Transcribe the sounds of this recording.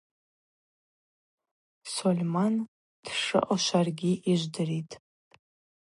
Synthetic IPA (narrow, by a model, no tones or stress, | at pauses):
solʲman | d̥ʂɨ̰ʔʼaʃʷarɡʲiʔiʒʷdɨritʼ